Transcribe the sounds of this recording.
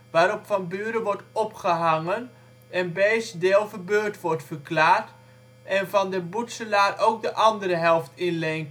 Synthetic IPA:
ʋaːɾɔpfɑnbyːɾəʋɔɹtɔpχəɦaŋən | ɛnbeːsdeːlˠvərbøːɹtʋɔɹtfərklaːrt | ɛnvɑndəbutsəlaːɾʔowk̚dəʔɑndəɾəɦɛlˠftɪnlɛŋ

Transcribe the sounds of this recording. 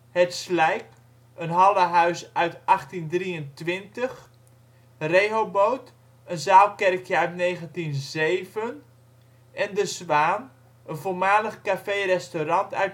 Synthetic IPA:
hɛtslɛjk | ənɦɑlˠəɦœɥsœɥtʔɑχtindriəntʋɪntəχ | rejɦowbowt | ənzaːlˠkɛrkʰjəœɥtnejχəntinzejvən | ʔɛndəsʋaːn | ənvolˠmaːləχkafejrɛstorɑntœ̰ɥt

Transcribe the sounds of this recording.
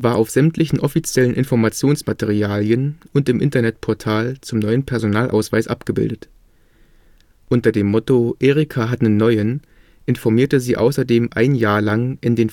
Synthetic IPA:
vaːɐʔaʊfz̥ɛmtʰlɪçn̩ʔɔfit͡sjɛlənʔɪnfɔɐmat͡sjoːnsmatʰeʁiaːljənʊntɪmʔɪ̰ntɐnɛt̚pʰɔɐtʰaːlt͡sʊmnɔʏənpʰɛɐzonaːlʔa̰ʊsv̥aɪsʔa̰pɡ̥əbɪ̰ldət | ʔʊntɐdeːmːɔtoʔeːʁɪkʰaɦatənənːɔʏən | ʔɪnfɔɐmiːɐtəziːʔa̰ʊsɐdeːmʔa̰ɪnjaːɐlaŋʔɪndeːn

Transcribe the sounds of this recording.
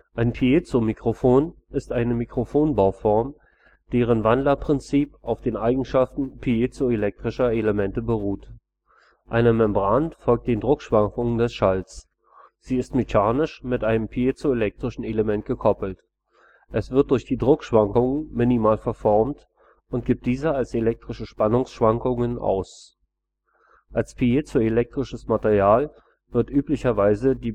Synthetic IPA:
ʔʔaɪnpʰiet͡somikʁ̥ofoːnɪstʔaɪnəmikʁ̥ofoːnbaʊfɔɐm | d̥eːʁ̞ənvandlɐpʁ̥ɪnt͡siːpʔaʊfd̥eːnʔaɪɡŋ̩ʃaftn̩pʰiet͡soelɛk̚tʁ̥ɪʃɐeləmɛntəbəʁuːt | ʔaɪnəmɛmbʁantfɔlk̚t̚d̥eːndʁʊkʃv̥aŋkʊŋəndɛsʃalt͡s | z̥iːɪstmeçaːnɪʃmɪtʔaɪnəmpʰiet͡soelɛk̚tʁ̥ɪʃn̩eləmɛnt̚ɡ̥əkʰɔpl̩t | ʔɛsv̥ɪɐt̚d̥ʊɐçd̥iːdʁʊkʃv̥aŋkʊŋənmɪnimaːlfɛɐfɔɐmt | ʔʊnt̚ɡ̥ip̚t̚d̥iːzəalselɛk̚tʁ̥əɪʃəʃpanʊŋsʃv̥aŋkʊŋənʔa̰ʊs | ʔalspʰiet͡suelɛk̚tʁ̥ɪʃəsmateʁijaːl | vɪɐtʔyːplɪçɐvaɪzədiː

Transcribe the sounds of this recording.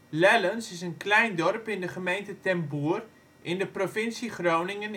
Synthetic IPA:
lɛlənsɪsənklɛjndɔrpɪndəχəmejntətɛmbuər | ʔɪndəprofɪnsiχrownɪŋən

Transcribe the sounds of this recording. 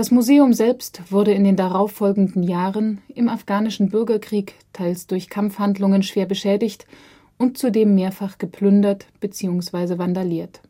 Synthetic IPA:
d̥asmuzeːʊmzɛlpstv̥ʊɐdəɪndeːndaʁaʊfːɔlɡŋ̩dn̩jaːʁənʔɪmafɡ̥aːnɪʃn̩bʏɐɡɐkʁ̥iːk | tʰaɪlsd̥ʊɐçkʰamfhandlʊŋənʃv̥eːɐbəʃɛːdɪçt | ʔʊnt̚t͡sudeːmːeːɐfaχɡ̥əpʰl̥ʏndɐtb̥ət͡siːʊŋsv̥aɪzəvandaliːɐt

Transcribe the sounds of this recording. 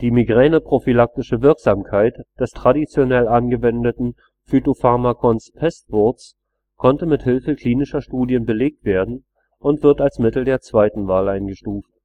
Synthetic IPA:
d̥iːmiɡʁɛːnəpʁ̥ofilak̚tɪʃəvɪɐkz̥aːmkʰaɪtd̥ɛstʁ̥adit͡sjonɛlʔanɡəvɛndətn̩ | fytofaɐmakʰɔnspʰɛstv̥ɔɐts | kʰɔntəmɪthɪlfəkʰl̥iːnɪʃɐʃtuːdjənbəleːk̚tv̥eːɐdn̩ | ʔʊntv̥ɪɐtalsmɪtl̩deːɐt͡sv̥aɪtn̩vaːlʔaɪnɡəʃtuːft̚

